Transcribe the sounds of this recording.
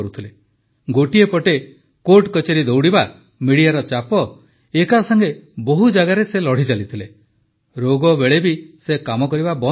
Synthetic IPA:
ɾut̪ʰile | ɡoʈiepɔʈe | koʈkɔt͡ʃeɾid̪owɽiba | miɽijaɾɔt͡ʃapɔ | ekasaŋɡeboɦud͡ʒaɡaɾeselɔɽ̤it͡ʃalit̪ʰile | ɾoɡɔbeɭebisekamɔkɔɾibabɔ

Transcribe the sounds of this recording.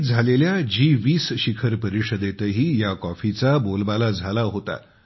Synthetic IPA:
d͡zʱaleljad͡ʑiʋiːsɕikʰəɾpəɾiʂəd̪et̪əɦiːjakɔfit͡sabolbalad͡zʱalaɦot̪a̰

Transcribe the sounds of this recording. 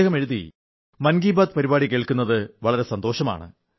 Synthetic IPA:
ɣɐme̞ɻuðḭ | mɐnɡiːbaːd̪̚pɐɾibaːɽikːeːɭkunːɐðɨʋɐɭɐɾe̞sɐnd̪o̞ːɕɐma̰ːɳɨ̰

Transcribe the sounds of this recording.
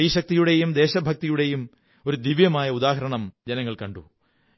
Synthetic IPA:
iːɕɐk̚t̪ijuɽe̞jumd̪eːɕɐbʱɐk̚t̪ijuɽe̞jum | o̞ɾud̪iʋjɐmaːjɐud̪aːɦɐɾɐɳɐmd͡ʑɐnɐŋːɐɭkɐɳɖu

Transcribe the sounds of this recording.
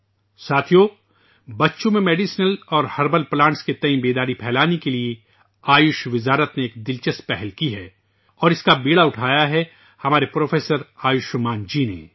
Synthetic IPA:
saːt̪ʰijo | bɐtːʃõmẽmeːɖiːsnəlɔːɾhɐɾbəlplãːɳʈsket̪ɐ̃ĩbeːd̪aːɾipʰɛːlaːnekelie | aːjʊʃʋɪzaːɾət̪neeːkd̪ɪlt͡ʃəspɛɦɛlkiɦɛː | ɔːɾɪskabeːɽaʊʈʰaːjaɦɛ | hɐmaːɾepɾoːfeːsəɾaːjʊʃmaːnd͡ʒiːnḛ

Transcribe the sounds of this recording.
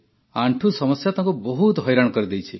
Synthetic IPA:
aɳʈʰusɔmɔsjat̪ʰãŋkubɔɦut̪ɦɔjɾaɽ̃ɔkɔɾid̪ejt͡ʃʰi

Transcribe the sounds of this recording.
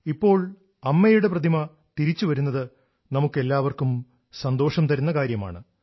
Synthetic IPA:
ipːo̞ːɭ | ɐmːɐjuɽe̞prɐd̪ʱimɐ | t̪iɾit͡ɕːuʋɐɾunːɐðɨ | nɐmukːe̞lːaːʋɐrkum | sɐnd̪o̞ːʂɐmt̪ɐɾunːɐkaːɾjɐma̰ːɳɨ

